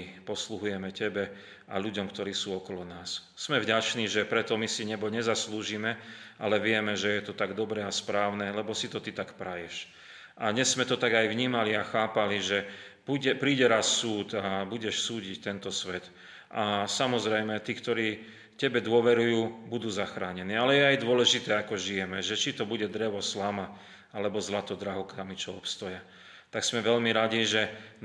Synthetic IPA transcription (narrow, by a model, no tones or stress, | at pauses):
pɔsluɦujɛmɛcɛbɛ | a̰ʎuɟɔmkt̪ɔɾiːsuːɔkɔlɔnaːsːmɛvɟat͡ʃniːʒɛpɾɛt̪ɔmisiɲɛbɔɲɛzasluːʒimɛʔa̰lɛʋɪɛmɛʒɛjɛt̪ɔt̪aɡd̪ɔbɾɛaspɾaːʊnɛlɛbɔsit̪ɔt̪it̪akpɾajɛʃ | ʔaɲɛzːmɛt̪ɔt̪aɡajvɲiːmaliaxaːpaliʒɛpuɛpɾiːɟɛɾasːuːd̪abuɟɛʃsuːɟict̪ɛnt̪ɔsʋɛt̪ | ʔasamɔzɾɛjmɛt̪iːkt̪ɔɾiː | cɛbɛd̪ʊɔʋɛɾujuːbud̪uːzaxɾaːɲɛniːalɛjɛajd̪ʊɔlɛʒit̪ɛːakɔʒijɛmɛʒɛt͡ʃit̪ɔbuɟɛd̪ɾɛʋɔslama | alɛbɔzlat̪ɔd̪ɾaɦɔkamit͡ʃɔɔpst̪ɔja | t̪aksmɛʋɛʎmiɾaɟiʒɛ